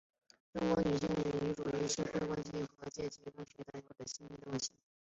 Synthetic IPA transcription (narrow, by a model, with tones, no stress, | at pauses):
ʈ͡ʂʊ˥ŋkwɔ˧˥ny˨˩ɕi˥˩ŋɻi˧˨i˩y˧˥ʈ͡ʂu˨˩y˧˥ʂ̩˥xwe˥˧ɪk̬wa˥nɕi˥˩˥xɤ˧˥t͡ɕjɛ˥˩t͡ɕi˧˥kɤ˥ŋɕɛ˧˥t̪a˥˩ɪjo˥˩d̪ə˨˩ɕi˥npi˥d̪ə˧wa˥˩ɕi˥˩